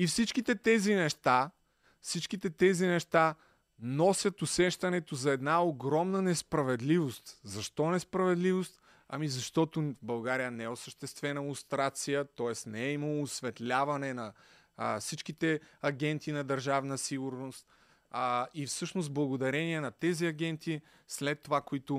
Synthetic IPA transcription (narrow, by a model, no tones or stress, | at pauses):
ifsit͡ʃk̟it̪ɛt̪ɛzinɛʃt̪a | fsit͡ʃkit̪ɛt̪ɛzinɛʃt̪a | nɔsʲjət̪ʊsɛʃt̪ɐnɛt̪ozɐɛd̪naoɡɾɔmnənɛspɾɐvɛd̪livost̪zɐʃt̪ɔnɛspɾɐvɛd̪livost̪ | ɐ̰mizɐʃt̪ɔt̪ʊbɐlˠɡaɾijənɛɛʊsəʃt̪ɛst̪vɛnəʊst̪ɾat̪sijət̪ɔɛsnɛɛiməlˠoːsvɛt̪lʲavɐnɛnɐ | fsit͡ʃkit̪ɛɐɡʲɛnt̪inɐd̪ɐɾʒavnəsiɡʊɾnost̪ | ifsɤʃnost̪blˠɐɡod̪ɐɾɛniɛnɐt̪ɛziɐɡ̟ɛnt̪i | slɛt̪ːovakoit̪ʊ